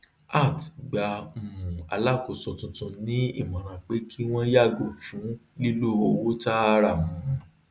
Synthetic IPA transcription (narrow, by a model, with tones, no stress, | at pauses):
a˦˨ti̥˨ɡ͡ba˧m̩˨ũ˨a̰˨la˦˨ko˧sɔ˨tũ˨tũ˧nĩ˦i˦˨mã˨ɾ̃ã˨k͡pe˦kʰi˦w̃ɔ̃˦ja˦˨ɡo˨fũ˨˦li˦lo˦˨o˧wo˦ta˦a˧ɾa˦˨mũ˨˦˨